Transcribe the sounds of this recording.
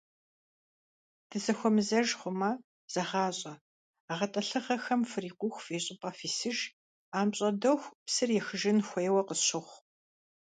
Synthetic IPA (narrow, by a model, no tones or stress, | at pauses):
d̥ʰɨzɐxʷɔmɨzɐʒχʷʊmɐ | z̥ɐʁɑːɕʼɐ | ʁɐtʼɐɬɨχɐxɐmfɨriːqʷʊxʷfeːɕʼɪpʼɐfiːsɨʒ | aːmɕʼɐdɐxʷpsɨrjɛxɨʒɪnxʷejwɐqəsɕɪχʷ